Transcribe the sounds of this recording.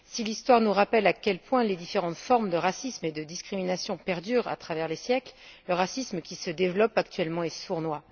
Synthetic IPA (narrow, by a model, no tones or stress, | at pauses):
silist̪waʁnuʁapɛlakʲɛlpwɛ̃led̪ifeʁɑ̃t̪fɔʁmd̪əʁasismed̪əd̪iskχiminasjɔ̃pɛʁd̪yʁa̰t̪χavɛʁlesjɛklləʁasisməkʲisəd̪evlɔpak̚t̪ɥɛlmɑ̃esuʁnwa